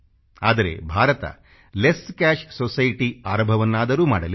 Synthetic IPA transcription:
aːd̪ɐɾe̞̰bʱaːɾɐt̪ɐ̰ | leskaːʃsosɐjʈiaːɾɐmbʱɐʋɐnːaːd̪ɐɾuːmaːɽɐli

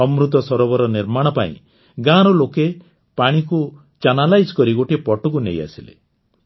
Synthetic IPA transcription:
ɔmɾut̪ɔsɔɾɔβɔɾɔniɾmaɽ̃ɔpaḭ̃ | ɡãɾɔloke | paɽ̃iku | t͡ʃanalajd͡ʒkɔɾiɡoʈipɔʈɔkunḛja̰silḛ

